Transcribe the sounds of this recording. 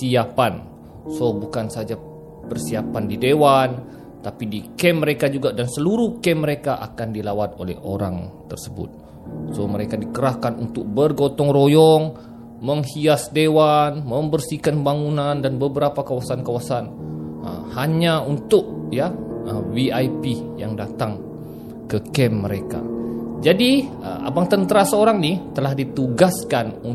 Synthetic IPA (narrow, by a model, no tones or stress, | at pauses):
siapan | sobukansad͡ʒa | pərsiapandidewan | t̪apidikɛmːəɾekad͡ʒuɡadansəluɾuhkɛmːəɾekaʔa̰kandilawat̪olɛ̰ho̰ɾa̰ŋt̪ərsəbʊ̰t̪̚ | soməɾekadikəɾahkanunt̪ʊk̚bərɡot̪ɔŋrojɔŋ | məŋhiasdewanmə̃mbərsikanbaŋunandanbəbəɾapakawasankawasanə̰haɲaunt̪ʊk̚jaəwiajpijaŋdat̪aŋ | kəkɛmːəɾeka̰d͡ʒadi | ə̰a̰baŋt̪ənt̪əɾasəoɾaŋnit̪əlahdit̪uɡaskanu